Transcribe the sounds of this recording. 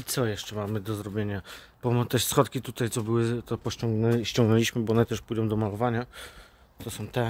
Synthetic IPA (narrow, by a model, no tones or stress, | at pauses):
it̪sɔjɛʂt͡ʂɛmamɘd̪ɔzɾɔbʲjeɲa | b̥ɔmt̪ɛsxɔt̪kʲit̪ut̪ajt̪sɔbɘwɘt̪ɔpɔɔŋɡnɛɕt͡ɕɔ̃ŋɡnɛlʲiɕmɘbɔnɛt̪ɛʂpujd̪ɔ̃w̃d̪ɔmalɔvaɲa | t̪ɔsɔ̃w̃t̪ɛ